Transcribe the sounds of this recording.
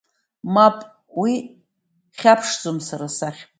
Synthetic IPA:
mapʼ | wi | χʲapʰʂd͡zʼomsaɾasaχʲ

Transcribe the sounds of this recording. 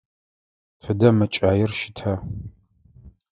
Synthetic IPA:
tʰɨdɐmɨt͡ʃʼaːjɪrʃɪ̥tʰa

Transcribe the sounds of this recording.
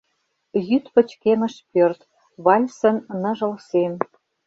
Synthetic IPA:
jyt̪pə̆t͡ɕkemə̆ʃpørt̪ | βɑlʲsə̆nnɤ̆ʒɤ̆lsem

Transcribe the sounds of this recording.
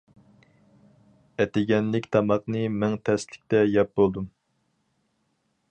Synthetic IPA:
ɛt̪ɪɡʲɛnlɪkʲt̪ʰɑmɑqnɨmɛŋt̪ʰɛslɪk̚ʲt̪ɛjɛp̚bolˠd̪um

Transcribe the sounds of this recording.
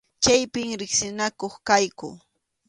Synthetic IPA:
t͡ʃajpɪŋɾɪksɪnakoχkajkʊ̰

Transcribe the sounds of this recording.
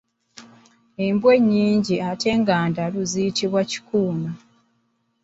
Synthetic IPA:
embwe̞ɲːiːɲɟiatʰe̞ːŋɡaːndaluzijitiβwaci̥kuːma

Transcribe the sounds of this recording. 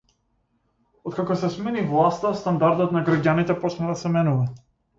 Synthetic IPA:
ɔt̪̚kakɔsɛsmɛnivlˠast̪ast̪and̪aɾd̪ɔt̪naɡɾaɟanit̪ɛpɔt͡ʃnad̪asɛmɛnuva

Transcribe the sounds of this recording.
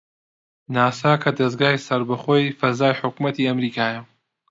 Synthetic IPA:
naːsaːkʰɐd̪ɐzɡaːjsɐɾbɐχoːjfɐzaːjħʊkmɐt̪ʰiːɐmɾiːkʰaːjɐ

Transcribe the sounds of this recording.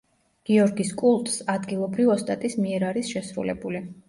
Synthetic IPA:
ɡ̥iɔɾɡiskʼulˠt̪ʼsad̪ɡilˠɔbɾivɔst̪ʼat̪ʼismiɛɾaɾisʃɛsɾṵlɛ̰buli

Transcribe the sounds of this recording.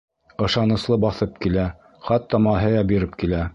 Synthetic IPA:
ɤ̆ʃɑnɤ̆slˠɤbɑθɤp̚kilæ | χɑt̪ːɑmɑɦɘ̆jɑbiɾɘp̚kilæ

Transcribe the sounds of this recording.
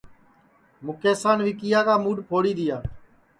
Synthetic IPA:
mʊkeːsaːnʋiːkijaːkaːmuːɖpʰoːɽiːd̪ɪjaː

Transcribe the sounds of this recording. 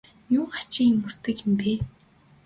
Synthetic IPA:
jʊːχat͡ɕɪ̆ŋiŋust̪ɘ̆kjɪ̆mpeː

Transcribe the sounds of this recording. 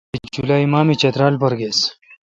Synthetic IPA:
id͡ʑulaːimaːmit͡ɕɐt̪ɾaːlpɐɾɡeːs

